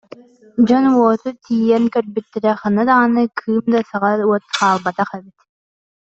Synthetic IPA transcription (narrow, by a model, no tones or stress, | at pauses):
d͡ʑɔnwɔːt̪ut̪ʰiːjɛnkœɾbyt̪ːɛɾɛχanad̪anɯkʰɯːmd̪asaʁauɔt̪χaːlˠbat̪aχɛbit̪